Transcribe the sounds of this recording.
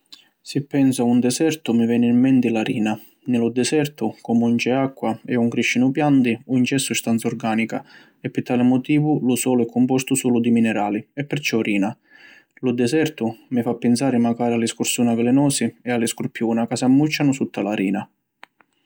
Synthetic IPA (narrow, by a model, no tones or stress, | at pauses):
sɪpːɛnsaund̪ɛsɛrt̪ʊmɪvɛːnɪimːɛnt̪ɪlaɾiːna | nɪlʊd̪ɛsɛrt̪ʊkɔmunt͡ʃɛakːwaɛuŋkɾiʃːinʊpjant̪ɪunt͡ʃɛsːust̪ant̪sɔrɡaːnika | ɛpːɪt̪ːaːlɪmɔt̪iːvʊlʊsɔːlʊɛkʰːʊmpɔst̪ʊsuːlʊd̪iminɛɾaːliɛpːɪɾt͡ʃɔɾiːna | lʊd̪ɛsɛrt̪ʊmɪfapːɪnsaːɾɪmaɡaːɾialːɪskʊɾsuːnavɪlɛnɔːsɪɛalːɪskʊɾpjuːnakasamːut͡ʃːanʊsut̪ːalaɾiːna